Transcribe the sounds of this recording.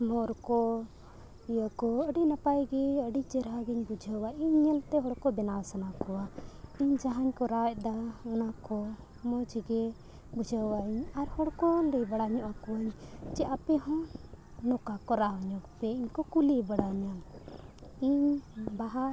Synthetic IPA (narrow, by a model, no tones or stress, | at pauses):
mɔɾkɔ | ijakɔəɖinapajɡɛəɖid͡ʒɛɾɦaɡiɲbud͡ʒʱəwaʔiɲːɛlt̪ɛɦɔɽkɔbɛnasanakɔwaiɲd͡ʒaɦaɲkɔɾac̚d̪aɔnakɔ | mɔd͡ʒiɡɛ | bud͡ʒʱəwaʔiɲaɾhɔɽkɔləjbaɽaɲɔʔakɔwaɲt͡ʃɛʔapɛɦɔ̃ | nɔkakɔɾaɔɲɔkpɛiɲkɔkulibaɽaɲa | iɲbaɦa